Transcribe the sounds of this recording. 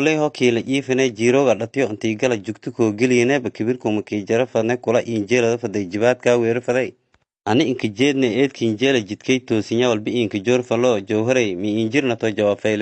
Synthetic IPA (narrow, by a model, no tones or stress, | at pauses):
lɛɦɔkʰiːlɐʔiːfɪnɛd͡ʒiːɾɔɣɐɗɐt̪ɪjɔʊnt̪iːɡɐlɐd͡ʒʊkt̪ʰukʰoːɡɪlɪnɛbɐkʰɪβiɾkɔmɐkid͡ʒɐɾɐfɐd̪nɛkʊlɐʔiːnd͡ʒɛːlɐðɐfɐd̪ɛd͡ʒɪβaːt̪̚kʰaːwɛːɾɪfɐðɛj | ʔɐnɪʔɪŋkʰɐd͡ʒɛːd̪nɛʔɛːt̪̚kʰiːnd͡ʒɛːlɐd͡ʒit̪kʰɛt̪oːsɪɲawɐlbɪiːŋkɐd͡ʒɔːɾfɐlɔd͡ʒɔwɦɐɾɛmiiːnd͡ʒɪɾnɐt̪ɔd͡ʒɐwaːbfɛjl